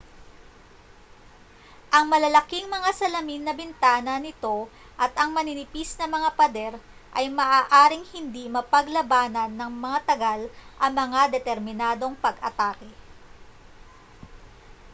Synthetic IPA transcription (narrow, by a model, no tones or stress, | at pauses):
ʔɐŋmɐlɐlɐkiŋmɐŋasɐlɐminːɐbɪnt̪aːnɐnɪt̪o̞ | ʔɐt̪ʔɐŋmɐnɪnɪpisnɐmɐŋapɐd̪ɛɾ | ʔɐjmɐʔaːʔaːɾɪŋhɪnd̪imɐpɐɡlɐbaːnɐnːɐŋmɐŋat̪ɐɡalʔɐŋmɐŋad̪ɛt̪ɛɾmɪnaːd̪o̞ŋpɐɡʔɐ̰t̪aːkɛ